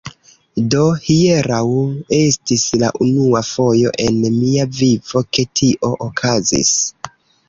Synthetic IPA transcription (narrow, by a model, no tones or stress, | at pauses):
do̞hieɾawe̞stisla̰ʔunuafo̞jo̞̰ʔe̞nmiaviv̥o̞ke̞tʰiʔo̞ʔokʰazḭs